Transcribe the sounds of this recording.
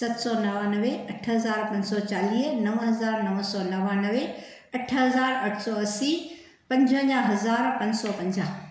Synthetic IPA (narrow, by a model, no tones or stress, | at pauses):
sɐt̪sɔːnɐʋaːnɐʋeɐʈʰɦɐzaːɾpɐ̃ɲsɔt͡ɕaːliːɦnɐʋɦɐzaːɾnɐʋsɔːnɐʋanɐʋe | ɐʈʰɦɐzaːɾɐʈʰsɔːɐsi | pɐ̃ɲd͡ʑʱə̃ɲãɦɐzaːɾpɐ̃ɲsɔːpɐ̃ɲd͡ʑaːɦ